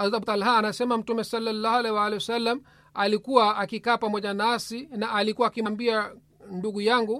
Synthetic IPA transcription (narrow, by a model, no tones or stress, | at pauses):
azabt̪alɦaːnasɛmam̩tumɛsalːalːahalɛwaalɛwasalːam | alikuwaːkikaːpamɔʄanasinaʔːlikuwaːkimambia | nduɡujaŋɡu